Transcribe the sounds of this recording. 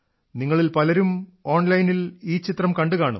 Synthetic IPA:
niŋːɐɭilpɐlɐɾumo̞ːɳlɐjniliːt͡ɕit̪rɐmkɐɳɖɨkaːɳɐ̰m

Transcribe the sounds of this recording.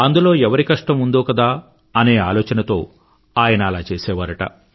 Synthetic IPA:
ɐnd̪ulo̞ːɛʋɐɾikɐʂʈɐmund̪oːkɐd̪aː | ɐne̞ːaːlɔːt͡ʃɐnɐt̪o̞ː | aːjɐnɐːlaːt͡ʃeːsɛːʋaːɾɐʈɐ̰

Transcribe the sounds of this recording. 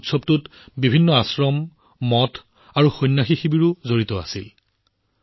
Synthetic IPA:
tsɔb̚tut | bibʱinːɔasɹɔmː | ɔtʰ | aɹuxojnːaxixibiɹʊzoɹitɔa̰sil

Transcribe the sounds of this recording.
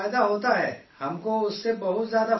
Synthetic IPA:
jd̪aɦoːt̪aɦɛːhɐmkoʊsːebɐɦʊt̪zjaːd̪a

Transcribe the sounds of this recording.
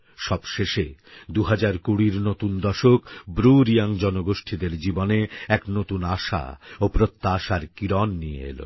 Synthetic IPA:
ʃɔbʃeʃed̪uɦad͡ʑaɾkuɽiɾnot̪und̪ɔʃokbɾuɾijaŋd͡ʑɔnoɡoʃʈʰid̪eɾd͡ʑiboneɛknot̪unaʃa̰opɾot̪ːaʃaɾkiɾɔnːijḛḛlo̰

